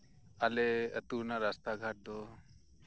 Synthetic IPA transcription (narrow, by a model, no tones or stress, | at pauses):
aleə̰t̪uɾnaɾast̪aɡʱaʈ̚d̪ɔ